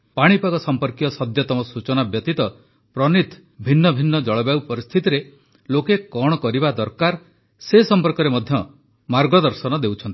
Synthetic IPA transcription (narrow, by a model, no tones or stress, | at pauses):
paɽ̃ipaɡɔsɔmpɔɾkijɔsɔd̪jɔt̪ɔmɔsut͡ʃɔnabjɔt̪it̪ɔ | pɾɔnit̪ | bʱinːɔbʱinːɔd͡ʒɔɭɔbjawpɔɾist̪ʰit̪iɾe | lokekɔɽ̃ɔkɔɾibad̪ɔɾkaɾ | sesɔmpɔɾkɔɾemɔd̪ʱjɔ | maɾɡɔd̪ɔɾsɔnɔd̪ewt͡ʃʰɔnt̪i̥